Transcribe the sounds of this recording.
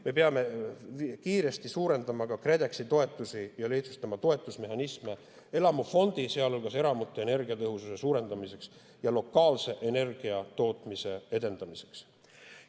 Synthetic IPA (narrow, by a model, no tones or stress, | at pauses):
me̞peɑme̞ | kiːɾe̞st̪isuːɾe̞nd̪̥ɑmɑkɑkre̞d̪e̞ksit̪o̞e̞t̪ːˑusijɑleht̪su̥st̪ɑmɑt̪o̞e̞t̪ːˑusme̞ɦɑnisme̞ | e̞lɑmɑfo̞nd̪̥iseɑlolɡ̥ɑse̞ɾɑmut̪ːˑoe̞ne̞rɡ̥iɑt̪ɤɦususe̞suːɾe̞nd̪̥ɑmise̞ks | jɑlo̞kːˑɑːlse̞ʔene̞rɡ̥iɑt̪o̞ːt̪ˑmise̞e̞d̪e̞nd̪̥ɑmise̞̥ks